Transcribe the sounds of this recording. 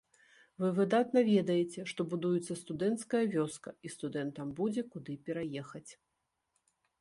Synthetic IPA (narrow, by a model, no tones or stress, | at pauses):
vɨvɨd̪at̪nɐvʲɛd̪ɐjɛt͡sʲɛʂt̪ɔbud̪ujut̪sːɐst̪ud̪ɛnt̪skɐjɐvʲɔskɐist̪ud̪ɛnt̪ɐmbud͡zʲɛkud̪ɨpʲɛɾajɛxɐt͡sʲ